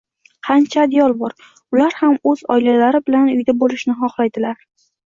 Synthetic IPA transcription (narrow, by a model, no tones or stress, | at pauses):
qʰɑnt͡ʃʰad̪jɒlˠbɒɾ | ʊlaɾhamɵzɒ̰jlalaɾɪbɪlanʊjd̪abolɪʃnɪɦɒχlajd̪ɪlaɾ